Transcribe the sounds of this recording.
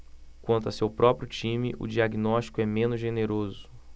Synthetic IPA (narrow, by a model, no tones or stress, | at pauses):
kwɐ̃nt̪ʊasewpɾɔpɾjʊt͡ʃĩmɪʔʊ̰d͡ʒiaɡinɔʃt͡ʃi̥kʊɛmẽnʊzʒeneɾozʊ̥